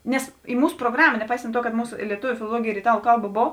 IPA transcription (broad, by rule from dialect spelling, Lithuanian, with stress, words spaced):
ˈnʲɛs iː ˈmuːs proːˈɡrɑːmɐ nʲɛˈpɐɪsɐnt ˈtuɔ kɐt ˈmuːsʊ ɪ lʲiɛˈtʊʋʲʊ fʲɪlˠoːˈlˠuɔɡʲeːj ɪr ɪˈtɑːlˠʊ ˈkɐlˠˌbɐ ˈboːw